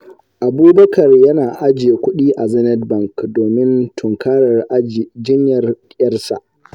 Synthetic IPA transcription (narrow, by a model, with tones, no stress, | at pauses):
ʔa˨buː˦bɐ˦kɐ˨rjɐ˦naː˨ʔa˦d͡ʒɪ˨e˨kʷʊ˦ɗiː˦ʔa˨zɐ˦nɛ˦dbɐ˦˨ŋkdoː˨mɪ˦ntʰʊ˨ŋkaː˦ɽɐ˨rʔa˦˨d͡ʒɪ˦ɲjɐ˨rkʲʼjɐ˦rsa̰˨ʔ